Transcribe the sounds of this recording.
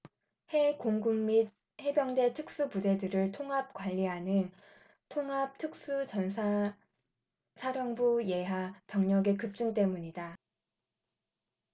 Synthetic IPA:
he̞koŋɡumːid̚ | he̞bjʌŋde̞tʰɯk̚s͈upude̞dɯɾɯɭtʰoŋɦap̚k͈waʎːiɦanɯn | tʰoŋɦap̚tʰɯk̚s͈ut͡ɕʌns̬ʰa | sʰaɾjʌŋbuje̞ɦapjʌŋɲʌɡe̞kɯp̚t͡ɕ͈unt͈e̞muɲida

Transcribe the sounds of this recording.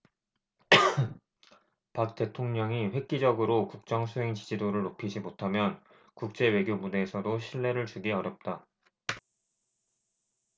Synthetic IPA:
pak̚t͈e̞tʰoŋɲʌŋiɸwe̞k̚k͈id͡ʑʌɡɯɾokuk̚t͡ɕ͈ʌŋsʰuɦeŋt͡ɕid͡ʑidoɾɯɭnopʰid͡ʑimotʰamjʌn | kuk̚t͡ɕ͈e̞we̞ɡjomune̞ːsʰʌdoɕʰiɭːe̞ɾɯɭt͡ɕuɡiʌɾjʌp̚t͈a

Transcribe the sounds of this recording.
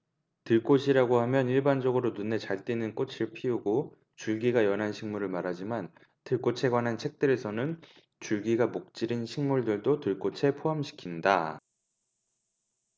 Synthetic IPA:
tɯɭk͈oɕʰiɾaɡohamjʌniɭband͡ʑʌɡɯɾonune̞t͡ɕaɭt͈inɯnk͈ot͡ɕʰiɭpʰiuɡo | t͡ɕuɭɡiɡajʌnɦanɕʰiŋmuɾɯɭmaɾɦad͡ʑiman | tɯɭk͈ot͡ɕʰe̞ɡwanɦant͡ɕʰe̞k̚t͈ɯɾe̞sʰʌnɯn | t͡ɕuɭɡiɡamok̚t͡ɕ͈iɾinɕʰiŋmuɭdɯɭdotɯɭk͈ot͡ɕʰe̞pʰoɦamɕʰi̥kʰinda

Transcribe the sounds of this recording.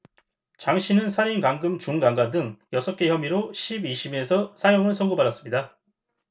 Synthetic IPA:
t͡ɕaŋɕʰinɯnsʰaɾinkaŋɡɯmt͡ɕuŋɡaŋɡadɯŋjʌsʰʌk͈e̞çjʌmiɾoɕʰibiɕʰime̞sʰʌsʰajoŋɯɭsʰʌŋɡubaɾʌs͈ɯmɲida

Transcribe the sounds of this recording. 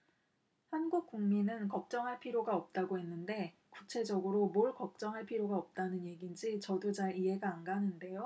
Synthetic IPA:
hanɡuk̚k͈uŋminɯnkʌk̚t͡ɕ͈ʌŋɦaɭpʰiɾjoɡaʌp̚t͈aɡoɦe̞nːɯnde̞ | kut͡ɕʰe̞d͡ʑʌɡɯɾomoɭkʌk̚t͡ɕ͈ʌŋɦaɭpʰiɾjoɡaʌp̚t͈anɯnje̞ɡind͡ʑit͡ɕʌdud͡ʑaɾiɦe̞ɡaːnɡanɯnde̞jo

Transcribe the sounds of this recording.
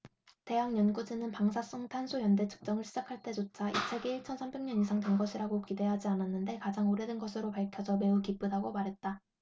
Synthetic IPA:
te̞ɦaŋɲʌnɡud͡ʑinɯnpaŋsʰas͈oŋtʰansʰujʌnde̞t͡ɕʰɯ̥k̚t͡ɕ͈ʌŋɯɭɕʰid͡ʑakʰaɭt͈e̞d͡ʑot͡ɕʰaʔit͡ɕʰeɡeiɭt͡ɕʰʌnsʰambe̞ŋɲʌnisʰaŋdwenɡʌɕʰiɾaɡokide̞ɦad͡ʑiananːɯnde̞kad͡ʑaŋoɾedɯnɡʌsʰɯɾopaɭkʰjʌsʰʌme̞ukip͈udaɡomaɾɦe̞t̚t͈a

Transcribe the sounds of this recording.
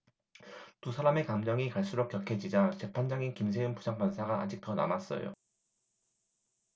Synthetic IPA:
tusʰaɾame̞kamd͡ʑʌŋikaɭs͈uɾok̚k͈jʌkʰe̞d͡ʑid͡ʑat͡ɕe̞pʰand͡ʑaŋinkims̬ʰeɯmpud͡ʑʰaŋpansʰaɡaa̰d͡ʑik̚tʌna̰mas͈ʌ̰jo̰

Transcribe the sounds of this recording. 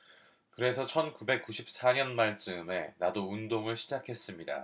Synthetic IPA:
kɯɾe̞sʰʌt͡ɕʰʌnkube̞k͈uɕʰip̚s͈aɲʌnmaɭt͡ɕ͈ɯme̞nadoundoŋɯɭɕʰid͡ʑakʰe̞s͈ɯmɲida̰

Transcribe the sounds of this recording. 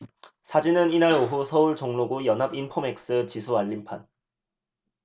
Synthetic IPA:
sʰad͡ʑinɯninaɭoɦusʰʌuɭt͡ɕoŋnoɡujʌnɦabinpʰome̞k̚s͈ɯt͡ɕisʰuaɭːimpʰan

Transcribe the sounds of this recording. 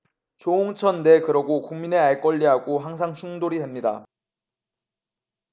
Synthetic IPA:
t͡ɕoːŋt͡ɕʰʌnːe̞kɯɾʌɡokuŋmine̞aɭk͈ʌʎːiɦaɡoɦaŋs̬ʰaŋt͡ɕʰuŋdoɾiemɲida̰

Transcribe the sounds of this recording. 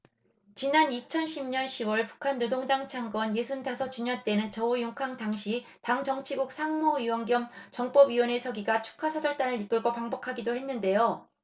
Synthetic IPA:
t͡ɕinanit͡ɕʰʌnɕʰimɲʌnɕʰiwʌɭpu̥kʰanːodoŋd͡ʑaŋt͡ɕʰaŋɡwʌnje̞sʰundasʰʌt͡ɕuɲʌɭt͈e̞nɯnt͡ɕʌujoŋkʰaŋtaŋɕʰitaŋd͡ʑʌŋt͡ɕʰiɡuk̚sʰaŋmoiwʌŋɡjʌmt͡ɕʌŋp͈ʌbɥiwʌne̞sʰʌɡiɡat͡ɕʰu̥kʰasʰad͡ʑʌɭt͈anɯɾik͈ɯɭɡopaŋbʌkʰaɡidohe̞nːɯnde̞jo

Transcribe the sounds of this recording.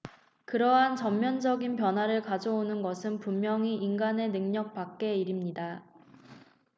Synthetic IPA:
kɯɾʌɦant͡ɕʌmːjʌnd͡ʑʌɡinpjʌnɦwaɾɯɭkad͡ʑʌonɯnɡʌsʰɯnpummjʌŋiʔinɡane̞nɯŋɲʌk̚p͈ak̚k͈e̞iɾimɲida

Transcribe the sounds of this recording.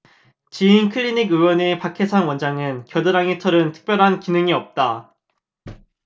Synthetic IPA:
t͡ɕiːnkʰɯʎːiniɡɯwʌnepakʰesʰanwʌnd͡ʑaŋɯnkjʌdɯɾaŋitʰʌɾɯntʰɯ̥k̚p͈jʌɾɦankinɯŋiʌp̚t͈a

